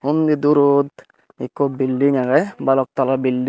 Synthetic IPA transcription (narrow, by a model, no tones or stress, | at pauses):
hund̪id̪uɾud̪ | ikːɔbilːiŋaɡɛbalɔk̚t̪alabilːi